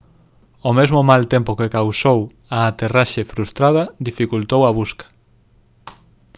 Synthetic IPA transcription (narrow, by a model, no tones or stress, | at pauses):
omezmʊmalt̪empokekawsow | aːt̪eraʃefɾust̪ɾað̞ɐd̪ifikult̪owɐβuskḁ